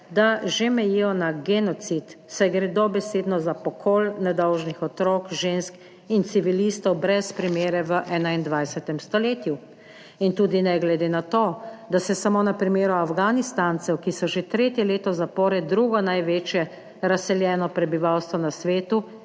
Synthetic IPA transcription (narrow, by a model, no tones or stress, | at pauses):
d̪aʒemɛjijɔnaɡɛnɔt̪sit̪sɛjɡɾɛd̪ɔbɛseːd̪nɔzapɔkʰoːlnɛd̪ɔwʒnixɔt̪ɾoːkʒensk | int̪siʋilist̪ɔwbɾɛspɾimeːɾɛʋəʔɛːnaind̪ʋajsɛt̪ɛmst̪ɔleːt̪ju | int̪uːd̪inɛɡlɛd̪eːnat̪oːd̪asɛsamoːnapɾimeːɾuafɡanist̪ant̪sɛwkisɔʒet̪ɾeːt̪jɛleːt̪ɔzapɔːɾɛd̪ɾuɡɔnajʋeːt͡ʃjɛ | ɾasɛljɛːnɔpɾɛbiʋawst̪ʋɔnasʋeːt̪u